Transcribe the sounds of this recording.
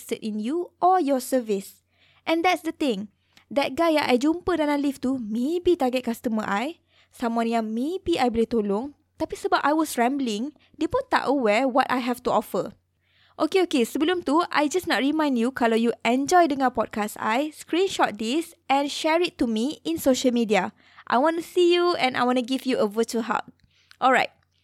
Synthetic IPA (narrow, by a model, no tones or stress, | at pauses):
stədĩnjuʔɔjɔsəvis | ʔɛ̃nd̪ɛtsdət̪ɪ̃ŋ | dɛt̚ɡajaʔajd͡ʒũmpədanãlift̪umebit̪aɡɛt̚kast̪əmə̰ʔaj | samãniãmebiʔajbolɛt̪olʊ̃ŋ | t̪apisəbapajwɔsɹɛ̃mblĩŋ | depũnt̪a̰ʔəwɛwɔta̰jɦɛftuɔfə | ʔokeokesəbəlũmt̪uʔa̰jd͡ʒasnɔt̚ɹimãj̃ndjukʰalajuʔɛ̃nd͡ʒɔjdəŋãpɔd̚kasa̰jskɹĩnʃɔt̚dis | ɛ̃nʃɛɹitːumiĩnsoʃəlmidia | ʔa̰jwɔ̃nusijuɛ̃na̰jwɔ̃nuɡivjuʔəvətəlɦa̰t̚ | ʔɔlɹaɪt̚